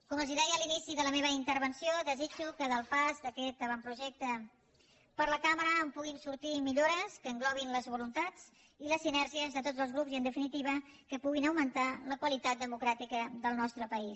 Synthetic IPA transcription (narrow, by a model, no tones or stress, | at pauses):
kuməziðɛjəlinisiðələmeβ̞əint̪əɾβənsioðəzid͡ʒukəðəlˠpazd̪əkɛt̪̚əβampɾuʒɛk̚t̪ə | pəɾləkaməɾəːmpuɣimsuɾt̪imiʎoɾəskəːŋɡlɔβ̞inləzβulunt̪ad͡z | iləsːinɛɾʒiəzðət̪odzəlˠzɣɾupziənd̪əfinit̪iβ̞əkəpuɣinəwmənt̪aləkwəlit̪at̪̚d̪əmukɾat̪ikəðəlˠnɔst̪ɾəpəis